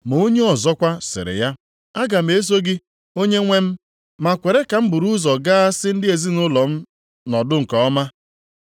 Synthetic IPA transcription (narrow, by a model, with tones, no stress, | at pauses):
m˨o˦ɲe˦ɔ˨zɔ˦kʷa˦sɪ̰˨ɾɪ̰˨ja˦ | a˦ɡa˨m̩˨e˦s̬o˦ɡɪ˦ | o˦ɲe˦ŋʷe˦m̩˦ | ma˨kʷe˨ɾe˦ka˨m̩˦bʊ˨ɾu˦zɔ˨ɡa˦a˦sɪ˦n̩˦dɪ˦e˨zi˦nʊ˦lɔ˨m̩˦ | nɔ˨dʊ˦ŋ̩˨kɔ˨ɔ˦ma˦